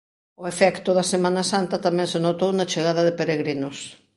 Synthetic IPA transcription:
oefɛkt̪ʊðɐsemãnasant̪ɐt̪amɛ̃ŋsenot̪ownat͡ʃeɣ̞aðɐðepeɾeɣɾinos

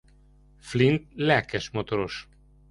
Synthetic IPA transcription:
flint̪lɛkɛʃmot̪oɾoʃ

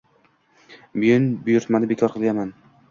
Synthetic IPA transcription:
bʊjʊnbʊjʊɾt̪manɪbekʰɒɾqʰɨlˠɡʲanman

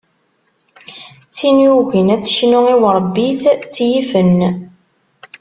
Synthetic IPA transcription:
θinjuʝənæt͡sːə̥ʃnʊiwɾˤbːiθt͡sːjifən

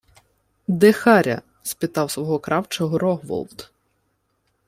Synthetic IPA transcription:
d̪exɑɾʲɐ̰ | spʲɪt̪ɑwsʋɔɦɔkɾʔɑwt͡ʃɔɦɔɾɔɦʋɔ̰lˠt̪

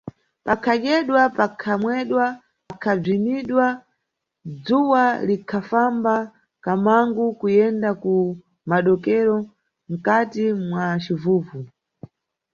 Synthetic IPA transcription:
pakʰaɗɛɗwapakʰamwɛɗwa | kʰab͡ʐiniɗwa | d͡zuwalikʰafamba | kamaŋɡukujɛndaku | maɗɔkɛɾɔ | ŋ̩katimwat͡ʃivuːvu

